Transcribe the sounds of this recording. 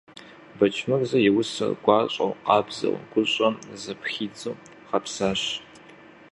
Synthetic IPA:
bɐt͡ʃʰmɐrzɐjɛwʊsɐ̰rɡʷɑːɕʼɐ̰wqɑːbz̥ɐ̰wɡ̥ʷʊɕʷʼɐmzɐpxiːd͡zɨw | ʁɐpsaːɕ

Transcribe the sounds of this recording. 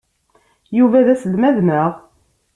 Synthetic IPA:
juvæðæsəlmæðməʁ

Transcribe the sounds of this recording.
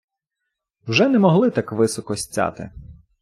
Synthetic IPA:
wʒɛnɛmɔɦlˠɪt̪ɑkʋɪsɔkɔsʲt͡sʲːɑ̰t̪ɪ̰

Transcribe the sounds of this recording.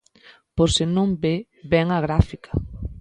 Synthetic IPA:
poɾsɪnõmbe | bɛŋɐɣɾafikɐ̥

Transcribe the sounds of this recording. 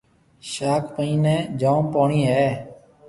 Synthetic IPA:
ʃaːkʰpəĩːnɛ̃ːd͡ʒaːũːpaːɳiːɦɛː

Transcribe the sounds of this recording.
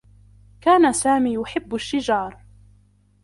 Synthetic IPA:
kaːnasaːmiːjʊħɪbːʊʃːɪd͡ʒɑːɾˤ

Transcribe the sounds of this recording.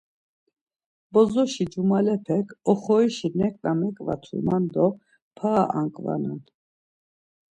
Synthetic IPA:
bɔzɔʃid͡ʒumalɛpʰɛkʰɔχɔiʃinɛkʼnamɛkʼva̰t̪ʰṵmand̪ɔ | pʰaʔaŋkʼva̰nan

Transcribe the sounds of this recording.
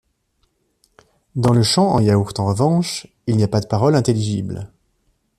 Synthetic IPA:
d̪ɑ̃ləʃɑ̃ɑ̰̃jauʁt̪ɑ̃ʁəvɑ̃ʃ | ilnijapad̪əpaʁɔlɛ̃t̪eliʒibl

